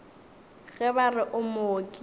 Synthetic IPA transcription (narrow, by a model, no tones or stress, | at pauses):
ɣɛbarɪʔʊmʊokʼi